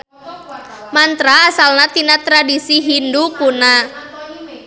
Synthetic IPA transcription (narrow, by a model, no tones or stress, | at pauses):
mant̪ɾaːsalnat̪inat̪ɾadisiɦindukuna